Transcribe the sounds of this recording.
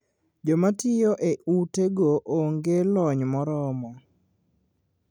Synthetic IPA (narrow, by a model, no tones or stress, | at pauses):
d͡ʒɔmatɪjoʔeʔuteɡoʔoŋɡelɔɲmɔɾɔmɔ